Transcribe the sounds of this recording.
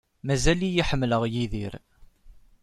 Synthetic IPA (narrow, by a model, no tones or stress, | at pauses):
mæzælijiħəmːləʁjiðiɾ